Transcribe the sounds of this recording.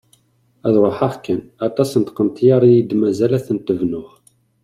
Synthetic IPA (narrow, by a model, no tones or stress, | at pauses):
æðɾˤoħaʁkːænæt̪ˤɑsənt̪qənt̪jɑɾˤijid̪mæzælæθənt̪əvnʊʁ